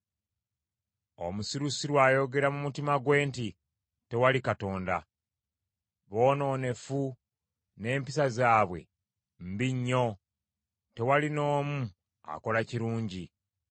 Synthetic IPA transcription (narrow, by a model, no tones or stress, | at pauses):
o̞̰musiɾusiɾwaːjo̞ɡe̞ɾamumutimaɡwe̞ːnti | te̞walikato̞ːnda̰ | βo̞ːno̞ːne̞fu | ne̞ːmpisazaːβwe̞̰ | m̩biɲːo̞ | te̞walino̞ːmu | a̰ko̞laciɾuːɲɟi